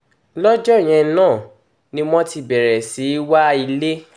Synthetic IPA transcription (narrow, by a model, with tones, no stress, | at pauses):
lɔ˦d͡ʒɔ˦˨j̃ɛ̃˧˦nãː˦˨ | nĩ˦mɔ̃˦ti˧˨bɛ˨ɾɛ˨si˨˦wa˦i˧le˦